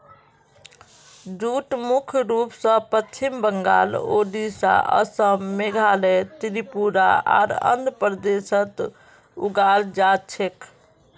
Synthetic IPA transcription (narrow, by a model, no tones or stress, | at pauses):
d͡ʒuʈmukʰjɾupsə̃pət͡ʃʰimbəŋɡa̰ːloɖisa̰ʔə̰səmmeɡʱalet̪ɾipuɾa̰a̰ɾə̰nd̪pɾd̪esət̪ | ṵɡald͡ʒat͡ʃʰek